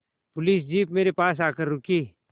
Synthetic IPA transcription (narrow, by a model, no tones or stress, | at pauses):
pʊliːs̬d͡ʒiːp̚meːɾepaːs̬aːkəɾːʊkiː